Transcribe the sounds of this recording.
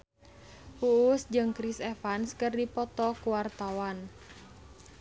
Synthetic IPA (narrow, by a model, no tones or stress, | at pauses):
huːsd͡ʒɨŋkɾisɛfanskərdipɔt̪ɔkuwart̪awan